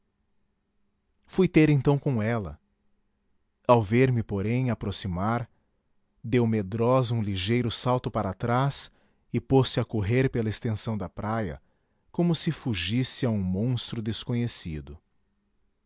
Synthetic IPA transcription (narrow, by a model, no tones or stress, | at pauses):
fujt̪eɾẽnt̪ɐ̃w̃kõɛlɐ̰ | awveɾmɪpoɾẽj̃apɾosimaɾ | d̪ewmed̪ɾɔzɐũliʒejɾʊsawt̪ʊpaɾat̪ɾas | ɪposɪakoɦeɾpelɐest̪ẽsɐ̃w̃d̪ɐpɾajɐ̰ | kõmʊsɪfuʒisɪaũmõst̪ɾʊd̪eskõɲesḭd̪ʊ